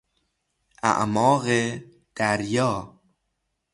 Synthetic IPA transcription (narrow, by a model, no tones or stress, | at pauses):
ʔa̰ʔmɒːɣe | d̪̥æɾjɒː